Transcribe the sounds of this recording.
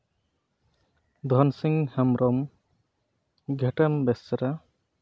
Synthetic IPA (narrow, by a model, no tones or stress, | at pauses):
d̪ʱɔnsiŋhamɾɔm | ɡʱɛʈambɛsaɾa